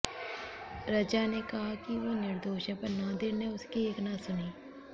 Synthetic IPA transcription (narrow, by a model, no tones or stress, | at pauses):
ɾəd͡ʒaːneːkəɦaːkiʋoːnɪɾd̪oːʃə̃pəɾnãːd̪enẽːʊskieːknãːsʊniː